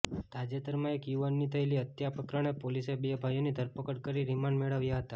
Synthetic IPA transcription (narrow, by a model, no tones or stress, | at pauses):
t̪ad͡ʒet̪əɾmaekjuʋanːit̪ʰəeliət̪japəkɾaɽ̃epolisebebʱajonid̪ʱəɾpəkəɽkəɾiɾimaɳɖmeɭəʋjaɦət̪a